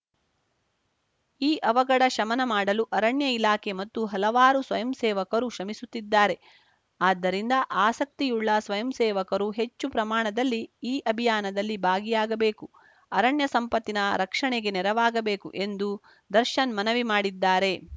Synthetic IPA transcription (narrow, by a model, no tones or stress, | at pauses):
iːʔɐʋɐɡɐɽɐʃɐmɐnɐmaːɽɐluʔɐɾɐɳjɐilaːkʰemɐt̪ːuɦɐlɐʋaːɾusʋɐjɐmsɛːʋɐkɐɾuʃɐmisut̪ːid̪ːaːɾe̞ | aːd̪ːɐɾind̪ɐʔaːsɐk̚t̪ijuɭːɐsʋɐjɐmsɛːʋɐkɐɾuɦe̞t͡ʃːupɾɐmaːɳɐd̪ɐlːiiːʔɐbʱijaːnɐd̪ɐlːibʱaːɡijaːɡɐbeːku | ɐɾɐɳjɐsɐmpɐt̪ːinɐɾɐkʂɐɳeɡe̞nɛɾɐʋaːɡɐbeːkṵʔe̞nd̪u | d̪ɐɾʃɐnmɐnɐʋimaːɽid̪ːaːɾe̞